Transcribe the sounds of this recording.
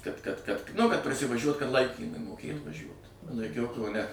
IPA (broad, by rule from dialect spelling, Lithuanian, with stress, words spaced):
kɐt kɐt kɐt ˈnʊ kɐt prɐsʲɪʋɐˈʒʲuɔt kɐt ˈlˠɐɪkʲiːmʊɪ moːˈkʲeːt ʋɐˈʒʲuɔt lˠɐɪˈkʲɛʊ kɐʊˈnʲɛ